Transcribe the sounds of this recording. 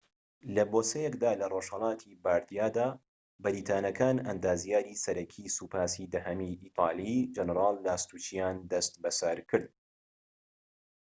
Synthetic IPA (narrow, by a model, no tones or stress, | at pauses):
lɐboːsɛjɛkd̪aːlɐroʃhɐlˠɑːt̪ʰibaːɾd̪ijaːd̪aː | bɐɾiːt̪ʰaːnɐkʰaːnɐ̰nd̪aːzijaːɾiːsɐɾɐkʰiːsupʰaːsid̪ɐɦɐmiʔiːt̪ˤʰɑːlˠid͡ʒɐnɾɑːlːaːst̪uːt͡ʃijaːnd̪ɐst̪bɐsɐɾkʰɨɾd̪̚